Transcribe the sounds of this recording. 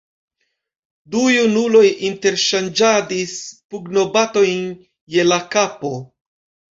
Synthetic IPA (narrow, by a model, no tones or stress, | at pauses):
dujunulo̞jʔinte̞ɾʃand͡ʒadispuɡno̞bato̞jn | je̞lakapo̞